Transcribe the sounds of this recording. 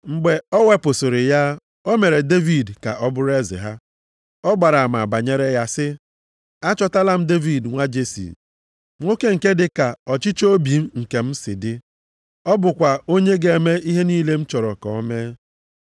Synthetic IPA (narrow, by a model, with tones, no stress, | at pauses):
ŋ͡m̩˨ɡ͡be˨ɔ˦we˦pʊ˨sʊ˨ɾɪ˨ja˦ | o˦me˨ɾe˨de˦vi˨dka̰˨ʔɔ˦bʊ˦ɾe˦zḛ˨ɦa˦ | ɔ˦ɡ͡ba˨ɾa˨ma˨a˨ba˨ɲe˦ɾe˦ja˦sɪ˦ | a˦t͡ʃɔ˦ta˦la˦m̩˦de˦vi˨dŋʷa˦d͡ʒe˦sḭ˨ | ŋʷo˦ke˦ŋ̩˨ke˦dɪ˨ka˨ɔ˨t͡ʃɪ˦t͡ʃo˦bi˨m̩˦ŋ̩˨ke˨m̩˦sɪ̰˨dɪ˦ | ɔ˦bʊ˨kʷa˨o˦ɲe˦ɡe˨e˨me˦i˦ɦe˦niː˦le˦m̩˦t͡ʃɔ˨ɾɔ˨kɔ̰˨˦me˦